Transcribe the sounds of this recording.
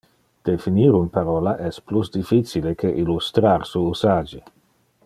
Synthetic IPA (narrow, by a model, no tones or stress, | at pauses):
d̪̥efiniːɾunpaɾɔːlaʔɛsplusd̪ifisilekʰeʔilust̪ɾaɾsuusaːd͡ʒi